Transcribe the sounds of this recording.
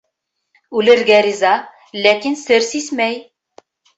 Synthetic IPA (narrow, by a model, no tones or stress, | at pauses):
ʉlɘ̆ɾɡæɾizɑ | lækinsɘɾsismæj